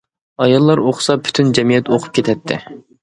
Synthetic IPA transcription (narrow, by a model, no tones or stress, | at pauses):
ɑjɑlˠːɑɾoχsɑpʰy̥t̪ʰynd͡ʒɛmijɛt̪oqʰʊ̥p̚kʲʰet̪ʰɛt̪ʰːɪ̰